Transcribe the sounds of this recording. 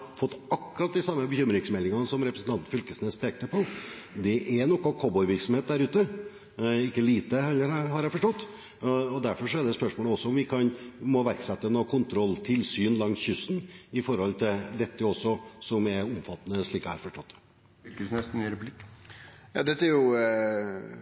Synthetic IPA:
fɔt̪ːɑkːʉɾɑt̪̚d̪ɪsɑmːəbəçʏmːɾɪŋsmɛlːɪŋɑnəsɔmɾɛpɾəsn̩t̪ʰɑnt̪̩fʏlkəsnɛspʰɾɛːɡ̚t̪əpɔ | d̪ɛʔɛɾnɔkːɑkʰɔbɔʏʋɪɾksɔmheːt̪d̪æɾʉːt̪ə | ɪkːəliːt̪əhɛlːəɾɦɑɾhæɪfɔʂʈɔt̪ː | ɔd̪æɾfɔɾʂɔɛɖ̪ɛspœʂmoːləɔsːɔʊmʋɪkʰɑnmɔʋæɾksɛt̪ːənɔkʰʊnt̪ʰɾɔlːt̪ʰɪlsyːnlɑŋsçʏsnɪfɔɾhɔlt̪ʰɪld̪ɛt̪ːəɔsːɔsɔmɛɾʊmfɑt̪ːənəʂɭiːkɑhɑ̰ɾfɔʂʈɔt̪ː | kəsnɛsn̩ɾɛpʉlɪkː | jɑ̰ːd̪ɛt̪ːæɾjʊ

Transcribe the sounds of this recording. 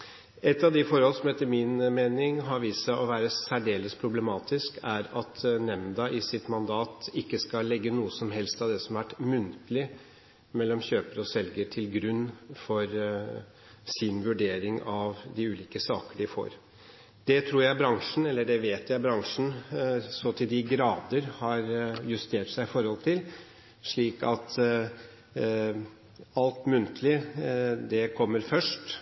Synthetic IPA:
ɛt̪ːɑʋd̪ɪfɔɾhɔlsɔmɛt̪ːəmɪnmeːnɪŋɦɑɾʋiːsəʔɔʋæːɾəsæɖeːləspʰɾʊblɛmɑːt̪ɪskʰæɾɑt̪nɛmd̪ɑʔɪsɪt̪mɑnd̪ɑːt̪ɪkːəskɑlːɛɡːənuːəsɔmɦɛlst̪ɑʋd̪ɛsɔmɑʋæʈmʉnt̪əlɪ | mɛlːɔmçøːpəɾɔsɛlɡəʈʰɪlɡɾʉnːfɔɾ | sɪnʋʉɖeːɾɪŋɑʋd̪ɪʉːliːkəsɑːkəɖɪfo̰ːɾ | d̪̥ɛt̪ʰɾuːɾjæɪbɾɑŋʂn̩ɛlːəɖɛʋeːt̪jæɪbɾɑŋʂn̩sɔt̪ʰɪld̪ɪɡɾɑːd̪əɾhɑɾjʉst̪ʰeːʈsæɪɪfɔɾhɔlt̪ʰɪl | ʂɭiːkɑt̪ | ɑlt̪mʉnt̪ʰəlɪd̪ɛkʰɔmːəɾfœʂʈ

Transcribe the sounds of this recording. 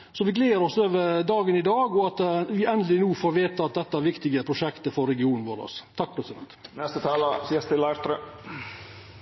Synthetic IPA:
sɔʋɪɡleːəɾɔsøːʋəɾd̪ɑːɡənɪd̪ɑːɡɔɑt̪ʋɪɛnd̪lɪnuːfoːɾʋeːt̪ɑt̪̚d̪ɛt̪ːəæɾʋɪkt̪ɪɡəpʰɾʊʃɛkt̪əfɔɾːɛɡɪuːnn̩ʋoɾɔ̰st̪ʰɑk̚d̪ɛt̪səmɛt̪nɛst̪ət̪ʰɑːləsiːəst̪ɪlæɪɾt̪ɾø

